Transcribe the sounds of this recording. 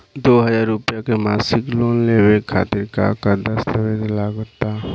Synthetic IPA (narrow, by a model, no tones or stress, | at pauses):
d̪oːɦəzaːɾːʊpjakemaːsɪkloːnlewekʰa̰ːt̪ɪɾka̰kəd̪əst̪əʋedlaɡt̪a